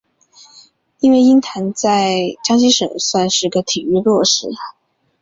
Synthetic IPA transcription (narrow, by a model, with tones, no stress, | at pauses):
i˥nwe˥˩ɪi˥nt̪ʰa˧˥nt͡sa˥˧ɪʈ͡ʂɑ˥ŋɕi˥ʂə̰˨˩ŋswa˥˧nʂɻ̩˥˩i˧˥ɡə˧t̪ʰi˨˩y˥˧lwɔ˥˩ʂɻ̩˥˩